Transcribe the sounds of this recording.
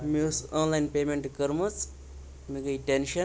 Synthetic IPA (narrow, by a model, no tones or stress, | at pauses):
misonlajnpemeɳʈkəɾmɐt͡s | mikɐiʈenʃɐ